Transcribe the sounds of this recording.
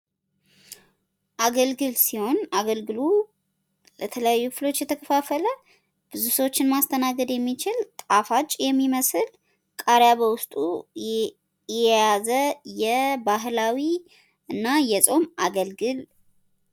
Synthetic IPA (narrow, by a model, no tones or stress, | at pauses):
ʔaɡəlɡɨlsiho̞naɡəlɡɨlu | lət̪ʰələjajːukflo̞t͡ʃːjɛt̪ʰəkʰəfafələ | b̥ɨzusəwot͡ʃːɪnmast̪ʰənaɡəd̪jɛmːit͡ʃɪlt̪ʼafat͡ʃʼːjɛmːiməsɨl | kʼaɾjaβəwʊst̪ʼu | jɛjjazəjɛbaɦlawi | ɨnːajɛsʼo̞maɡəlɡɨl